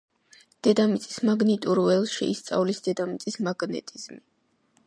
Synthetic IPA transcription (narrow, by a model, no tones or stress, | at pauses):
d̪̥ɛd̪amit̪sʼismaɡnit̪ʼuɾɛlˠʃɛ̰ist̪sʼa̰vlisd̪̥ɛd̪amit̪sʼismaɡnɛ̰t̪ʼizmi